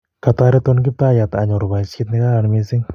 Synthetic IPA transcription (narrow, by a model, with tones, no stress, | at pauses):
kat̪aɾɛt̪onɡɪ˦p̚t̪a˦ja˨t̪a˨ɲo˨ɾba˨skɪ˦t̪nɪɡa˦ɾa˨nme˦sɪ˦ŋ